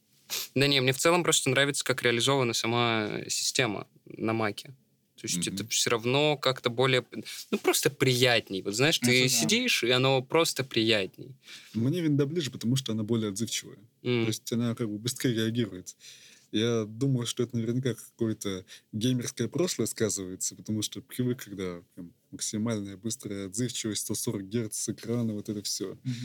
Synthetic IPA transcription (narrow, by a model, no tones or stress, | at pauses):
d̪anʲemnʲeft̪sɛlˠəmpɾo̞st̪ənɾavʲɪt̪sə̥kakɾʲɪɐlʲɪzo̞vənəjəsɐma̰sʲɪ̥sʲtʲe̞mə̰ | nɐmakʲɪ | t̪o̞ɪsʲtʲɛt̪əfsʲoɾɐvno̞kakt̪əbo̞lʲɪjəpnupɾo̞st̪əpɾʲɪjætʲnʲɪjvo̞t̪znaɪʂt̪ɨsʲɪdʲiʂɪɐno̞pɾo̞st̪əpɾʲɪjætʲnʲɪ̰jmnʲevʲɪnd̪ablʲiʐɨpət̪ɐmuʂ̬t̪oɐnabo̞lʲɪjəɐd̪zɨft͡ɕɪvə̰jət̪o̞ɪsʲtʲɐnakaɡ̚bɨbɪst̪ɾʲeɾʲɪɐɡʲiɾʊjɪt̪ɪjad̪uməjʂt̪oɛt̪ənəvʲɪrnʲɪkakɐ̥ko̞jət̪əɡʲejmʲɪrskəjəpɾo̞ʂlˠəjəskazɨvəjɪt̪sə̥pə̥t̪ɐmuʂt̪opɾʲɪvɨkʰːɐɡd̪apɾʲamːəksʲɪmalʲnəjəbɨst̪ɾəjəɐd̪zɨft͡ɕɪvəstʲst̪o̞so̞ɾək̚ɡʲert̪sɨkɾanəvo̞t̪ɛt̪əfsʲo